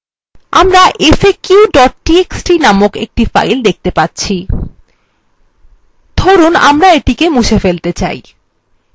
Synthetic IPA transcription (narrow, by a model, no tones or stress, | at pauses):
amɾaʔefekuwɖɔʈ̚ʈieksʈɾinamokḛk̚ʈifa̰jld̪ek̚ʰt̪epatːɕʰi | d̪ʱoɾuna̰mɾaeʈikemuʃefelt̪et͡ɕa̰j